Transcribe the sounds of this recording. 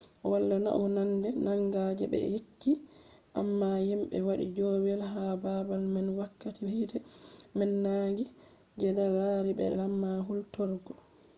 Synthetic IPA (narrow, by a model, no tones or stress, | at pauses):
walːana̰ʔɔnandɛnaŋɡad͡ʒɛɓɛ̰jekːiʔamːajimɓɛ̰waɗḭd͡ʒowɛlɦababalmɛnwakːatihitɛmɛnːaːɡi | d͡ʒɛdawaɾibɛ̰lamːaɦultɔɾɡɔ